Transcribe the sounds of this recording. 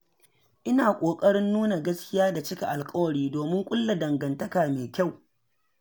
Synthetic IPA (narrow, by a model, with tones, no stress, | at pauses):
ʔɪ˦naː˨kʷʼoː˨kʼɐ˦ɽɪ˦nːuː˦na˨ɡɐ˦skʲɪ˦jaː˦da˨t͡ʃɪ˦kʲa˨ʔa˨lkʼɐ˦wɐ˨ɽiː˦doː˨mɪ˦ŋkʷʼʊ˦lːa˨dɐ˨ŋɡɐ˨ntɐ˦kaː˨meː˨kʲa˦˨w